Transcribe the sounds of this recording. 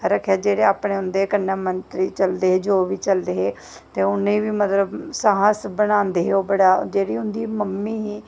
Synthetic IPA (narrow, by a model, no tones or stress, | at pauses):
ɾəkʰaːd͡ʒeːɽeːaːpɳeːʊ̃nd̪eːkənːaːmənt̪ɾiːt͡ʃəld̪eːɦeːd͡ʒoːʋiːt͡ʃəld̪eːɦeː | t̪eːʊnːẽːʋiːmət̪ləbsəɦasbəɽãːnd̪eːɦeoːbəɽaːd͡ʒeːɽiːʊnd̪iːməmːiːɦiː